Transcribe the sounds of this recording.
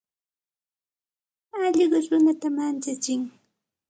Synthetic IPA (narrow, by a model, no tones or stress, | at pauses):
ɑʎɢɑɾʊnat̪amant͡ʃat͡ʃɪŋ